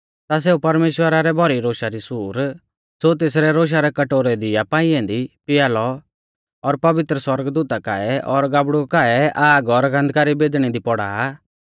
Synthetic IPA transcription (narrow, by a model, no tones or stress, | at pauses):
t̪as̬eːupɐɾmeːʃwəɾaɾɛbʱɔɾiɾoːʃaɾisuːɾ | sot̪̬eːs̬ɾɛɾoːʃ̬aɾɛkɐʈoːɾɛd̪ɪjapãːɪ̃ɛ̃d̪ipɪjaːlɔ | ɔɾpɐʋɪt̪ɾəswɐɾəɡd̪uːt̪akaɛɔɾɡaːbɽukaːɛaːɡɔɾɡɐ̃nd̪ʱkaːɾibeːd̪ɽ̃ɛd̪ipɔɽa̰ː